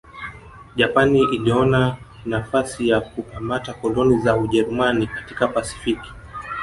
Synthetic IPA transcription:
ʄapaniiliɔna | nafasijakupamatakɔlɔnizauʄɛɾumanikatikapasi̥fiki̥

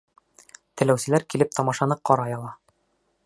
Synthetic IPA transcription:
t̪ɘ̆læwsɘ̆læɾkilɘp̚t̪ʰɒmɑʃɑnɤqɒɾɑjɒlˠɑ

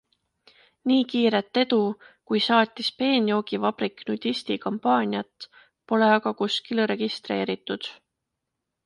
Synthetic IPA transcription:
niːkiːɾe̞t̪ːˑe̞d̪̥u | kujsɑːt̪ʲːˑispe̞ːnʲio̞ɡ̥ivɑb̥ɾikːˑnud̪̥ʲist̪ikɑmpɑːnʲiɑt̪ːˑ | po̞le̞ɑɡ̥ɑkuskilre̞ɡ̥ist̪re̞̰ːɾit̪ːˑud̪̥

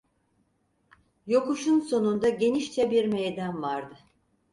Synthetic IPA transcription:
jo̞kuʃunso̞nund̪aɟe̞niʃt͡ʃɛbiɾmejd̪anvaɾd̪ɯ

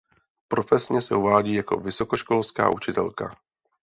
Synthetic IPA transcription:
pɾo̞fɛsɲɛsɛʔuvaːɟiːjako̞̰vɪso̞koʃkolska̰ːʔut͡ʃɪt̪ɛlka̰

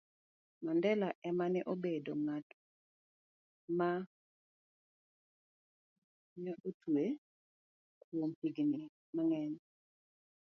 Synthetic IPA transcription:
mandɛlaʔɛmanɛʔobedoŋat | ma | ɲaʔotʰwe | kwompiɡni | maŋɛɲ

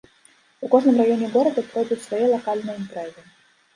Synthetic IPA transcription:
ukɔʐnɨmɾajɔnʲɛɡɔɾɐd̪ɐpɾɔjd̪ut͡sʲsvajɛlˠakalʲnɨjəint̪ɾɛzɨ

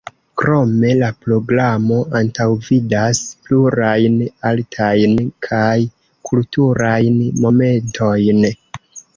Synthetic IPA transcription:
kɾo̞me̞lapɾo̞ɡɾamo̞ʔantawvidaspluɾajnaltʰajnkʰaj | kʰultuɾajnmo̞me̞ntʰo̞jn

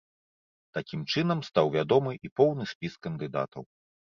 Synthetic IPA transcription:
t̪akʲimt͡ʂɨnɐmst̪awvʲad̪ɔmɨʔipɔwnɨsʲpʲiskɐnd̪ɨd̪a̰t̪ʰɐw

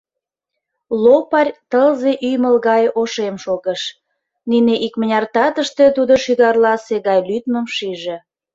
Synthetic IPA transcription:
lopɑrʲt̪əlzeʔyjməlɣɑjoʃemʃoɣəʃ | nineʔikmənʲɑrt̪ɑt̪əʃt̪e̽t̪ud̪oʃyɣɑrlɑseɣɑjlyt̪məmʃiʒĕ

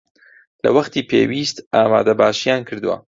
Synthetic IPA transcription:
lɐ̰wɐχt̪iːpʰeːwiːst̪aːma̰ːd̪ɐbaːʃijaːnkʰɨɾd̪ɨwa̰

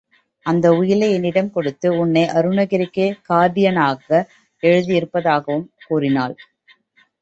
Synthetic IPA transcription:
ɐnd̪ɐʊjɪlɐɛnɪɽɐmkɔɽɯt̪ːɯʊnːɐɪʔɐɾɯnɐɣɪɾɪkːekaːðɪjɐnaːɣɐ | ɛɻɯðɪɪɾɯpːɐðaːɣɐʋɯmkuːrɪnaːl

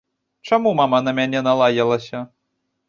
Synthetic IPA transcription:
t͡ʂamumamɐnɐmʲanʲɛnɐlˠajɐlˠɐsʲɐ

